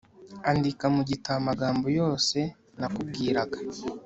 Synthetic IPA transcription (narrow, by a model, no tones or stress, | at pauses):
andikamuɟitamaɡaːmbo̞jo̞ːse̞ | nakub̚ɡiːɾaɡa